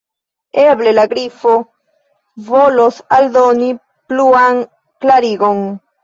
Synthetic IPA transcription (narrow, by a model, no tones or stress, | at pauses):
eblelaɡɾifo | volosald̪oni | pluaŋ | klaɾiɡon